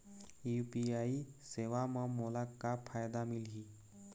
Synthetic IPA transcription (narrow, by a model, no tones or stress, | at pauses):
jupiaiseʋaməmolakapʰajd̪amilɦiː